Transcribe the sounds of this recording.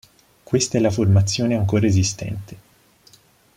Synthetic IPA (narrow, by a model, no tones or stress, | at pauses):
kwest̪aɛlːaformat̪sːjoːneaŋkoːɾaezist̪ɛ̰nt̪e̥